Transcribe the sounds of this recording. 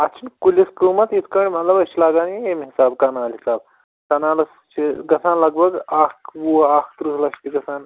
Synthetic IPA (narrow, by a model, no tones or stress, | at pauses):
ɐt͡ʃʰinkulʲiskɾuːmɐt̪it̪ʰkɐɳʲimɐt̪lɐbɐst͡ʃʰilaːɡaːnjiemɦisaːbkaːnaːlɦisaːb̚ | kɐnaːlɐst͡ʃʰiɡɐsaːnlɐɡbɐɡaːkʋuaːkʰt̪ɾuslɐst̪iɡɐsaːn